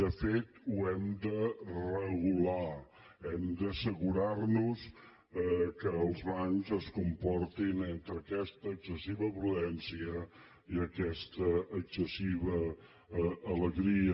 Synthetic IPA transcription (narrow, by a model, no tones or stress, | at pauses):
d̪əfet̪uɛmd̪ərəɣula | ɛmd̪əsəɣuɾarnus | ɛkəːlˠzβaŋzəskumpɔrt̪inent̪ɾəkɛst̪əːksəsiβəpɾuðɛnsiə | iəkɛst̪əːksəsiβəː | ləɣɾiə